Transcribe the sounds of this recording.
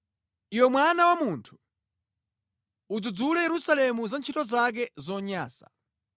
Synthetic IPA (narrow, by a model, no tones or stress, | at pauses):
iwɛmwanawamuntʰu̥ | ud͡zud͡zulɛjɛɾusalɛmuzant͡ʃʰitɔzak̬ɛzɔɲaːsa̰